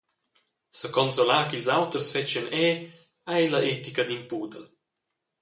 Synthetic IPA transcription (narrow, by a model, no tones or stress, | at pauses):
səkɔnsolaːkilzawt̪ərsfɛt͡ʃənɛ | ajlɐʔet̪ikɐd̪impuːd̪ə